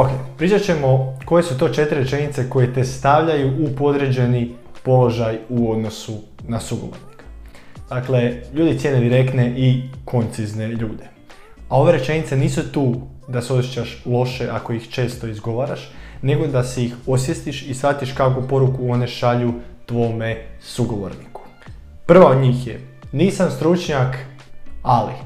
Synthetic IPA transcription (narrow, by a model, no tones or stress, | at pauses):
okejpɾit͡ʃat͡ɕe̞mo̞ko̞je̞sut̪o̞ːt͡ʃe̞t̪ɾiɾet͡ʃe̞nit̪se̞ko̞je̞t̪e̞st̪aʋʎajuʔupo̞d̪ɾe̞d͡ʒe̞ni | po̞lo̞ʒajuo̞d̪no̞su | nasuɡoʋo̰ɾnikḁd̪̥akleʎuːd̪it̪jened̪iɾe̞kt̪ne̞ʔikʰo̞nt̪sizne̞ʎuːd̪e̞ | ao̞ʋe̞ɾe̞t͡ʃe̞nit̪seniːsut̪uː | d̪aseo̞sjet͡ɕaʃlˠo̞ʃe̞ʔako̞ixt͡ʃe̞ːst̪o̞izɡo̞ʋaɾaʃne̞ɡo̞d̪aseixosje̞st̪iʃisfat̪iʃkakupo̞ɾukuo̞ne̞ʃaʎut̪ʋo̞ːmesuɡo̞ʋo̰ɾniku̥ | pr̩ʋaod̪ɲiːxjeniːsamst̪ɾut͡ʃɲak | ali